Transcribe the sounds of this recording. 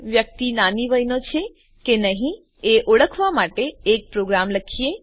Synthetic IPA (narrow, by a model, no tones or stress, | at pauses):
ʋjək̚t̪inaniʋəjnot͡ʃʰe | kenəɦĩ | eʔoɽəkʰʋamaʈeːk̚pɾoɡɾamləkʰie